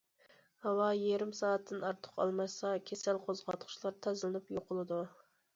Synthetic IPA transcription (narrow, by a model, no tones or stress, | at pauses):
hɑwɑjeɾɪmsɑːɛt̪ʰːɪnɑɾt̪ʰʊ̥qɑ̰lˠmɑsɑkʲʰesælqʰozʁɑt̪χʰʊ̥ʃlˠɑɾt̪ʰɛzlɨnɨpjoqʰʊlˠɨd̪u